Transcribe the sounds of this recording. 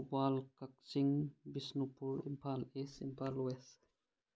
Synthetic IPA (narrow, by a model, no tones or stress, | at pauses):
balkak̚siŋbisnupuɾḭmpʰalesimpʰaluwɛs